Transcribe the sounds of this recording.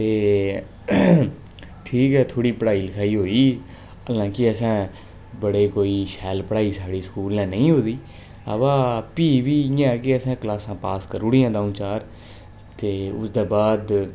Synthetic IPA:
t̪eː | ʈʰiːkɦɛːt̪ʰoːɽiːpəɽaːiːləkʰaːiːɦoːiː | əlãːkɪəsãː | bəɽeːkoːiːʃɛːlpəɽaːiːsaːɽiːsə̥kuːlɛ̃ːnəĩːɦoːd̪iː | ə̰ʋãːpiːʋiːjãːɛkɪəsɛ̃ːkəlaːsãːpaːskəɾʊɽɪjãːd̪aːũːt͡ʃaːɾ | t̪eːʊ̰sd̪eːbaːd̪

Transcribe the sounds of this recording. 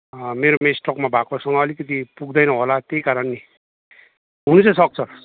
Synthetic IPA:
meɾomesʈʌkmabʱakosʌŋʌːlikʌt̪ipuɡd̪ʌjnʌɦolat̪ejkaɾʌnːi | ɦunut͡sʌsʌk̚t͡sʰʌ

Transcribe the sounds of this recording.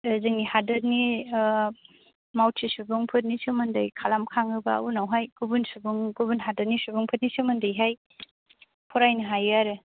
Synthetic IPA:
zɯŋnihadɐɾni | mawtʰisubuŋpʰɯt̚nisɯmɯndɐjkʰalamkʰaŋɯba̰unawɦajɡubunsubuŋɡubunɦadɐɾnisubuŋpʰɯt̚nisɯmɯndɯjɦaj | pʰɔɾajniɦajaɾe

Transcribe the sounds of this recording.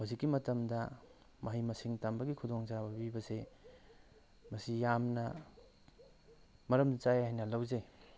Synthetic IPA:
huzikːimɐtɐmdɐ | mɐɦijmɐsiŋtambɐɡikʰudoŋt͡ʃabɐbibɐse | mɐsijamnɐ | mɐɾɐmt͡ʃajhajnɐlɐwze

